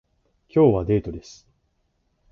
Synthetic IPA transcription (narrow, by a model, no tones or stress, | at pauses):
kʲo̞ːβad̪e̞ːt̪o̞d̪e̞sɨ̥